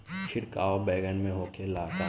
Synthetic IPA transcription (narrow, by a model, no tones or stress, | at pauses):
t͡ʃʰɪɾkaːobɛːɡənmẽɦoːkʰelaːt̪a